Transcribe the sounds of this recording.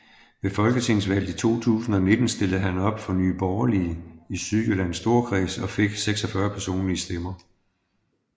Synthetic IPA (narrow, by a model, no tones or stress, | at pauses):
ʋe̝fɒ̽lɡ̥ət͡sʰe̝ŋsʋæl̰d̥it͡sʰo̝̰ːt͡sʰṵːsn̩ɒ̽ne̝d̥n̩sd̥e̝lð̩ˠɦænɒ̽b̥fɒ̽nyːb̥ɒʊɐliisyðˠjylæn̰sd̥o̝ɐ̰kʰʁḭːsɒ̽fe̝ɡ̥seɡ̥sɒ̽fɶɐpʰæɐso̝̰ːnliəsd̥emɐ